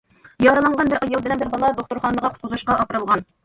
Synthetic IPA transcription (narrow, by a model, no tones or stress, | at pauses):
jɑɾɑlˠɑɴʁɑnbɪɾʔɑjɑlˠbɪlɛnbɪɾbɑlˠɑd̪oχt̪uɾχɑːnəʁɑqʰʊ̥t̪qʰʊzuʃqɑʔɑpɾɨlˠʁɑn